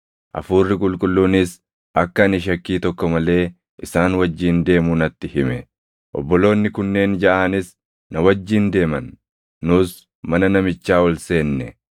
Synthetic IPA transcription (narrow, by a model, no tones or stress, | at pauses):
ʔɐ̰fuːrːɪkʼʊlkʼʊlːuːnɪs | ʔɐkːɐɐnɪʃ̬ɐkːiːt̪ɔkːɔmɐle̞ː | ʔɪsaːnwɐd͡ʒːiːnd̪e̞ːmuːnɐt̪ːɪhɪmɛ | ʔɔ̰bːɔlo̞ːnːɪkʊnːeːnd͡ʒɐʔaːnɪs | nɐwɐd͡ʒːiːnd̪e̞ːmɐnː | ʊs | mɐnɐnɐmɪt͡ʃːaːwɔlse̞ːnːɛ